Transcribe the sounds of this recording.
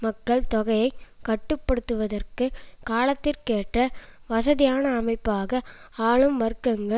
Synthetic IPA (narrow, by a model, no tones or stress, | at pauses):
mɐkːɐɭt̪ɔɣɐjɐɪkɐʈːɯpːɐɽɯt̪ːɯʋɐðɐrkɯkaːlɐt̪ːɪrkeːʈrɐʋɐsɐðɪjaːnɐːmɐɪpːaːɣɐaːɭɯmʋɐɾɯkːɐŋɡɐ